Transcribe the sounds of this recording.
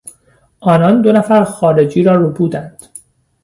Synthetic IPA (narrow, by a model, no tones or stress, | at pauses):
ʔɒːnɒnd̪onæfæɾxɒːɾe̞d͡ʒiːɾɒːrobuːd̪ænd̪̥